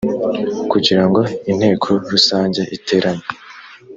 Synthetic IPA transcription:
kuɟiɾaŋɡo̞in̥he̞ːkʰoɾusaːɲɟeʔite̞ːɾaɲe

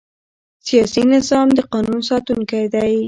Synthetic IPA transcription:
sijɑsinɪzɑmd̪əqɑnunsɑt̪unkajd̪aj

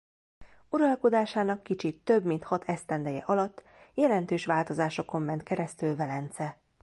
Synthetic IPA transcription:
uɾɒlko̞d̪aːʃaːnɒkːit͡ʃit̪ːø̞bmint̪hɒt̪ʰɛst̪ɛnd̪ɛjɛ̰ʔɒlɒt̪ː | jɛlɛnt̪øːʃʋaːlt̪o̞zaːʃo̞ko̞mːɛnt̪kɛɾɛst̪ylvɛlɛnt̪sɛ

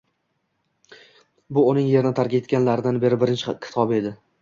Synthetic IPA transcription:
bʊʊnɪŋje̞ɾɪnɪt̪ʰaɾkʲaet̪̚kʲanlaɾɪd̪anbe̞ɾɪbɪɾɪnt͡ʃʰɪkʲʰɪ̥t̪ʰɒbe̞d̪ɪ

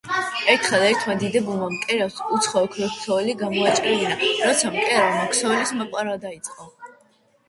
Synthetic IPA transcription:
ɛɾt̪ʰχɛd̪ɛɾt̪ʰmad̪id̪ɛbulˠmamkʼɛɾasut̪sʰχɔɔkʰɾɛksʰɔɛliɡamɔat͡ʃʼɾɛvinaɾɔt̪sʰamkʼɛɾamɔkʰsɔvɛlismapʼaɾad̪ait̪sʼqʼɔ

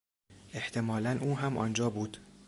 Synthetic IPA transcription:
ʔe̞ht̪ʰe̞mɒːlænʔuːɦæmʔɒ̰nd͡ʒɒːbuːd̪̥

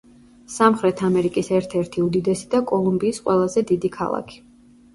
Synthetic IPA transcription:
samχɾɛt̪ʰamɛɾikʼisɛɾt̪ʰɛɾt̪ʰiud̪id̪ɛsid̪akʼɔlˠumbiːsqʼwɛlˠazɛd̪id̪ikʰa̰lˠa̰kʰi̥

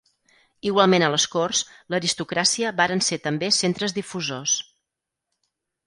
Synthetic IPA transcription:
iɣwalˠmenələskorsləɾist̪ukɾasiəβaɾənset̪əmbesent̪ɾəzðifuzos

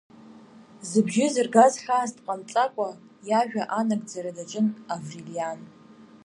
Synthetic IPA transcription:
zɨbʒɪzɨrɡazħaːzdʼqʼant͡sʼakʷʼa | jaʒᶣaʔanaɡd͡zaɾadat͡ʃʼɨnavrilian

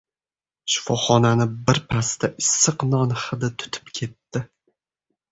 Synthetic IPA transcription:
ʃʊ̥fɒχɒnanɪbɪɾpʰast̪aʔɪsːɨqnɒnχɨd̪at̪ʰʊ̥t̪ʰɪ̥pkʲʰe̞t̪ːɪ

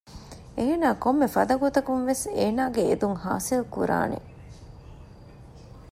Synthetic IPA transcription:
eːnaːkomːefɐd̪ɐɡot̪ɐkunʋeseːnaːɡḛːd̪uŋha̰ːsilkṵɾa̰ːnḛ

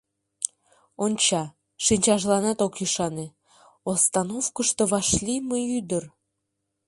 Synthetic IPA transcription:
onʲt͡ɕɑ | ʃinʲt͡ɕɑʒlɑnɑt̪okjyʃɑne | ost̪ɑnofkəʃt̪oβɑʃlʲiməyd̪ər

